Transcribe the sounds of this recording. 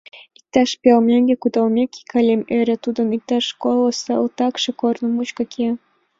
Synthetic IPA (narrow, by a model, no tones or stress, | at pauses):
ik̚t̪ɑʃpiɑlmʲeŋɡʲekud̪ɑlmʲeki̥kʰɑlʲemeɾʲet̪ud̪ə̆nik̚t̪ɑʃkolˠəsɤlˠt̪ɑkʃɤ̆kornə̆mut͡ɕkɑkʰʲe